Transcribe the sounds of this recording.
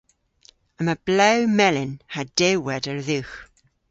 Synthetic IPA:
əməblɛwmɛlɪnhad̥ewɛdəɹðɪwx

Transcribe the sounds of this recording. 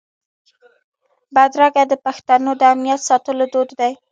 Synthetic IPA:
bad̪ɾaɡad̪əpaxt̪anod̪əamnijat̪sɑt̪əlod̪od̪d̪aj

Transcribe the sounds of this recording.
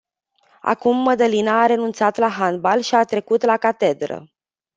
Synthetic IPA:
a̰kumːəd̪əlinaːɾe̞nunt̪sat̪laɦanbalʃiat̪ɾe̞kut̪lakat̪e̞d̪ɾə̰

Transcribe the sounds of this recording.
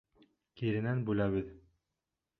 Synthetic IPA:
kiɾɘ̆nænbʉlæβɘð

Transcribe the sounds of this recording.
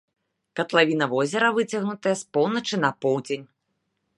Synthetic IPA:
kɐt̪lˠavʲinɐvɔzʲɛɾɐvɨt͡sʲɐɣnut̪ɐjɐspɔwnɐt͡ʂɨnɐpɔwd͡zʲenʲ

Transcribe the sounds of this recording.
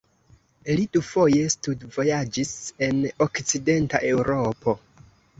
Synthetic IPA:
lidufo̞je̞studvo̞jad͡ʒise̞no̞kt͡side̞nta̰ʔe̞wɾo̞pʰo̞

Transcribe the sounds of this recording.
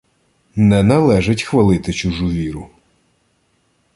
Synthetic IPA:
nɛnɐlˠɛʒɪtʲxʋɐlˠɪt̪ɪt͡ʃʊʒuʋʲiɾʊ

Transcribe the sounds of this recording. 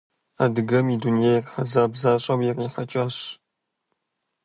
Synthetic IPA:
a̰dɨɡɐmiːdunjajrħɐzaːbzaːɕʼɐwjɛriːħɐt͡ʃʼaːɕ

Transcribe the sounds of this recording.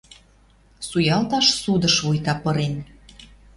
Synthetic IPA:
sujɑlt̪ɑʃsud̪ə̆ʃβujt̪ɑpɤ̆ɾen

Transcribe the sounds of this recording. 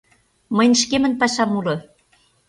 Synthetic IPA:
mə̆jnʃ̬kemə̆npɑʃɑmulɤ̆

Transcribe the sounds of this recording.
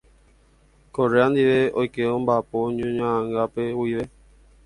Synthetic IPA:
koɾeand̪iʋeojkeõmbapoɲũɲããŋɡapeuiʋe

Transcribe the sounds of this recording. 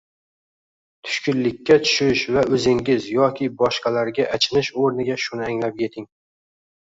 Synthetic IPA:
t̪ʰʊ̥ʃkʲʊnlːɪkʲʰːat̪ʰʊ̥ʃɪʃvaʔɵzɪŋɡʲɪzjɒkʲʰɪbɒʃqɑlaɾɡʲaʔat͡ʃʰɪnɪʃoɾnɪɡʲaʃʊnɪaŋlap̚jʲe̞t̪ʰɪŋ

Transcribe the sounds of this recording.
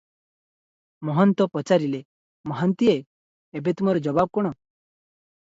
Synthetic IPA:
mɔɦɔnt̪ɔpɔt͡ʃaɾile | mɔɦɔnt̪ieː | bet̪umɔɾɔd͡ʒɔbab̚kɔɽ̃ɔ

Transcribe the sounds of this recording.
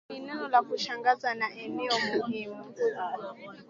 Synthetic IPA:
inɛnɔlakuʃaŋɡazanaʔɛnɛɔmuɦiːmu

